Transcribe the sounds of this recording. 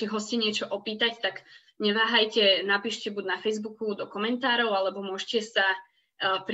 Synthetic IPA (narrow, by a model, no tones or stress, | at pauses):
kɛɦɔscɛɲɪɛt͡ʃɔʔɔpiːt̪act̪aɡ | ɲɛʋaːɦajcɛnapiːʃcɛbuɟnafɛjzbukud̪ɔkɔmɛnt̪aːɾɔʊalɛbɔmʊɔʒcɛsa | p